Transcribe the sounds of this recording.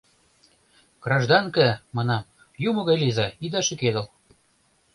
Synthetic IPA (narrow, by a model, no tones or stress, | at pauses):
ɡ̥rɑʒd̪ɑnkɘ̆mɑnɑm | jumɤ̆ɣɑjlizɑid̪ɑʃĕked̪ɤ̆l